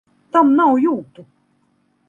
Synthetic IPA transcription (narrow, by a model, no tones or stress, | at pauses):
t̪amnawjot̪u